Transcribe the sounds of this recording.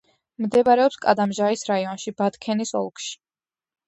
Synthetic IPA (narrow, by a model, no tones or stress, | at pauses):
md̪ɛbaɾɛɔpskʼad̪amʒaisɾaiɔnʃibat̪kʰɛnisɔ̰lˠkʰʼʃi̥